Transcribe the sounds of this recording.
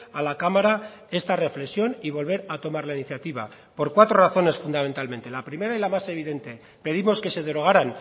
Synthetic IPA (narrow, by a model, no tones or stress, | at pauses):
alakamaɾa | e̞st̪are̞fle̞ksjo̞niβ̞o̞lβ̞e̞ɾat̪o̞maɾlainiθjat̪iβ̞a | po̞ɾkwat̪ɾo̞raθo̞ne̞sfund̪amẽ̞nt̪almẽ̞nt̪e̞lapɾime̞ɾailamase̞β̞iðe̞nt̪e̞ | pe̞ð̞imo̞ske̞se̞ð̞e̞ɾo̞ɣ̞aɾan